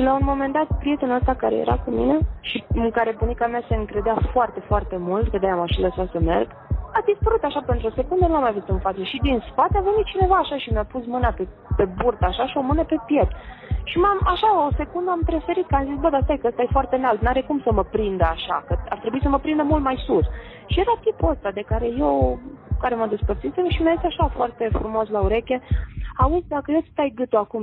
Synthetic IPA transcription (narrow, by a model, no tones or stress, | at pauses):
launmo̞me̞nd̪at̪̚pɾije̞t̪enəst̪akaɾe̞̰jḛɾa̰kumine̞ʃiɨŋkaɾe̞bunikamiase̞ɨŋkɾe̞d̪eafoart̪e̞foart̪e̞mult̪kəd̪ajamaʃiləsasəme̞̰rɡ | ad̪ispəɾut̪aʃapent̪ɾuo̞se̞kund̪ənulamːajvuzut̪ɨnfat̪səʃid̪inspat̪eave̞nit̪̚t͡ʃine̞vaːʃaʃimeapusmɨnape | pe̞burt̪aʃaʃio̞mɨnəpe̞pje̞t̪ʃimamaʃaose̞kund̪əampɾe̞fe̞ɾit̪kəamzisbəd̪aəs̬t̪ajkəəst̪aje̞foart̪e̞nald̪naɾekumsəməpɾind̪əaʃakəa̰rt̪ɾebuis̬əməpɾind̪əmult̪majsus | ʃije̞ɾat̪ipuəst̪ad̪e̞kaɾe̞jewkaɾe̞mad̪e̞spərt̪sisemʃimiaisʲaʃafoart̪e̞fɾumo̞slauɾe̞kʲe̞auzʲd̪akəjet̪st̪ajɡɨt̪oakum